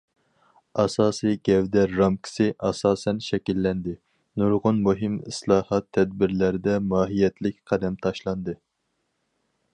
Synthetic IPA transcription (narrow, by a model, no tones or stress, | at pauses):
ɑsɑːsɨjɡʲɛvd̪ɛːɑmkʲʰi̥sɪʔɑsɑːsɛnʃɛkʲilːɛnd̪ɪ | nuɾʁʊnmuɦɪmɪ̰slˠɑːhɑt̪ʰːɛd̪̚bɪɾlæɾɪd̪ɛmɑːɦijɛt̪ʰlɪk̚ʲqʰæd̪ɛmt̪ʰɑʃlˠɑnd̪ɨ